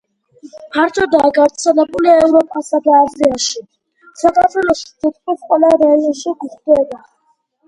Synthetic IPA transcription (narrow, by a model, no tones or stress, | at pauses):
pʰaɾt̪ʰɔd̪aɡaɾt̪sʰɛlɛbuliaɛvɾɔpʼasad̪aːziaʃi | sakʼat̪ʰwɛlɔst̪ʰit̪̚ʰʼisqʼwɛlaɾaiɔnʃiɡuχd̪̥ɛba